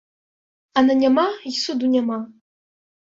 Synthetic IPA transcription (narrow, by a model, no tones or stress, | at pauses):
ananʲamaisud̪unʲama